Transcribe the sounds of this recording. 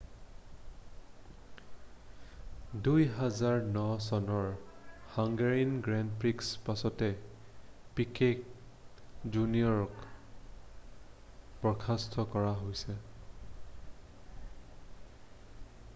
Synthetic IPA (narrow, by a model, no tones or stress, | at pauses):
dujɦazaɹnɔsɔnɔɹhaŋɡaɹinɡɹandpɹikspasɔtɛ | pikʰek̚ | d͡ʒuniɔɹɔk | pɹɔkʰastʰɔkɔɹaɦojsɛ